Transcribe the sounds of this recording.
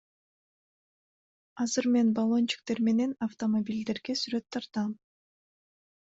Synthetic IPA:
ɑzɯɾme̞nbolˠo̞nt͡ʃi̥k̚t̪e̞ɾme̞ne̞naft̪o̞mobʲilʲd̪e̞ɾɡe̞syɾø̞t̪ʰːɑɾt̪ɑm

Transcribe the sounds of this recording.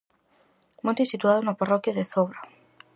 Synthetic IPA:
mõnt̪isit̪uaðonaparɔkjaðeθoβɾa

